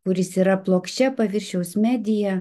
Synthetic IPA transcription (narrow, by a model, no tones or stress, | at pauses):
kʊɾʲɪsiːɾɐplˠoːkʃʲt͡ʃʲɛpɐʋʲɪɾʲʃʲɛʊsmʲæːd̪ʲɪjɛ